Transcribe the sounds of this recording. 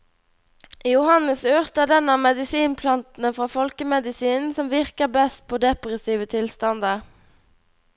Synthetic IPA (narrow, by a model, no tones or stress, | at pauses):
ʔjʊhɑnəsøːʁt̪əd̪ɛnɑmɛd̪ɪsiːnpʰlɑnt̪n̩əfʁɑːfɔlkəmɛd̪ɪsiːnn̩sɔmʋɪʁkəbɛst̪̚pʰoːd̪ɛpʁɛsiːʋət̪ʰɪlst̪ɑnd̪ə